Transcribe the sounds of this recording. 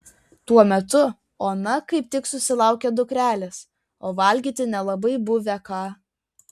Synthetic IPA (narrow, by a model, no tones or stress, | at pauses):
t̪uɔmʲɛt̪ʊ | oːnɐkɐɪp̚t̪ʲɪksʊsʲɪlˠɑˑʊkʲɛd̪ʊkɾʲæːlʲɛs | oːʋɐlʲɡʲiːt̪ʲɪnʲɛlˠɐbɐɪbʊʋʲɛkɑː